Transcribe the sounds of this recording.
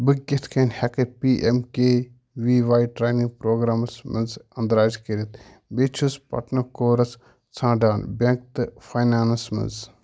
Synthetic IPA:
bɨkɡʲit̪ʰkʰɐnhekɐpiːʔemkeː | ʋiːʋaːjʈɾaːnipɾoːɡɾaːmɐsmɨ̰nzɐnd̪ɾaːzkɐɾit̪ | bet͡ʃʰuspɐ̰ʈnɐkoːɾɐs | t͡sʰãːɖaːnbʲeŋk̚t̪ɨfʰaːjnaːnɐsmɐ̰nz

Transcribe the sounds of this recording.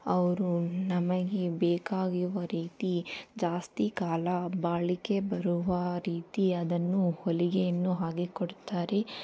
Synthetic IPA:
ɐʋɐɾunɐmɐɡebeːkaːɡiʋɐɾiːt̪id͡ʒaːst̪ikaːlɐbaːɭike̞bɐɾuʋɐɾiːt̪iɐd̪ɐnːuholiɡejɐnːuɦaːɡikoɽt̪aːɾe̞

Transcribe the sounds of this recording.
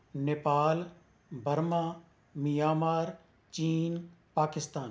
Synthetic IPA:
neːpaːl | bʱəɾmãː | mijaːmaːɾ | t͡ʃiːnpaːkɪst̪aːn

